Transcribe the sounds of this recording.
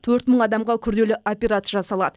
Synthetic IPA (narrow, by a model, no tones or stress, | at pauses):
t̪ʰɵɾt̪məɴɑd̪ɑmʁɑkʲʰʏɾd̪e̞lɪʔopʲeɾat̪ʒɑsɑlˠɑ̰d̪ə